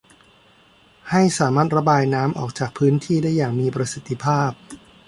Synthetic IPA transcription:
ha˥˩jsaː˩˦maː˥˩t̪̚ɾa˧baː˧jnaː˦˥mʔɔ̰ː˨˩k̚t͡ɕaː˨˩k̚pʰɯː˦˥nt̪ʰiː˥˩daː˥˩jːaː˨˩ŋmiː˧pɾa˧si˨˩t̪ʰːi˧pʰaː˥˩p̚

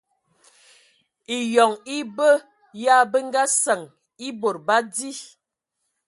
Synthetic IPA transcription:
i˨jɔ˨ŋi˦bə˦ | ja˦bə˦ŋ˦ɡa˦sə˨ŋ | i˦bo˨ɾba˦di˦

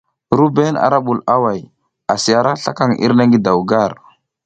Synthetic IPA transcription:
ɾu˦be˦na̰˨ɾa˦ɓu˨la˦wa˨j | a˨si˨ja˨ɾa˦ɬa̰˦ka˦ŋḭ˦ɾna˦ŋɡi˦da˨wɡa˦˨ɾ

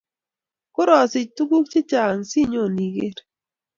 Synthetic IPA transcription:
kʊ˦ɾɔ˨sɪ˨tu˦ɡu˦k̚t͡ʃɪ˦t͡ʃa˨ŋsi˦˨ɲo˦˨ni˨ɡe˦ɾ

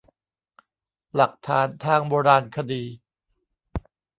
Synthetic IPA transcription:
la˨˩k̚t̪ʰaː˨˦nt̪ʰaː˥˩ŋboː˧ɾaː˧nkʰa˧diː˧

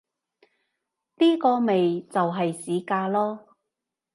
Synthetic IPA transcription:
niː˥kɔː˧me˨jt͡sɐ˨wɦɐ˨jsiː˨˥kaː˧lɔː˥

